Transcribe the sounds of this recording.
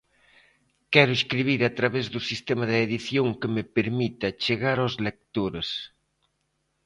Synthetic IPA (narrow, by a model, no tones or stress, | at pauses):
kɛɾʊeskɾiβ̞iɾat̪ɾaβezðusist̪emɐðɪeðiθjoŋkɪmeɪpeɾmit̪ɐt͡ʃeɣaɾawzlek̚t̪oɾes